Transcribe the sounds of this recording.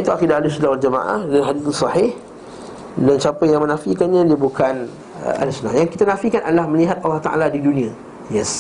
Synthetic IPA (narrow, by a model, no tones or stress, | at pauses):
it̪uakidahalisunahwald͡ʒamã̰ʔa̰hdanɦadiθsɑhɪh | dant͡ʃapəjaŋmə̃nãfikanɲãdiəbukʰan | ə̰ʔa̰lisna̰jaŋkit̪anãfikanʔadəlahmə̃liɦat̪̚ʔalːɑht̪a̰ʔa̰ladidunĩã | jɛs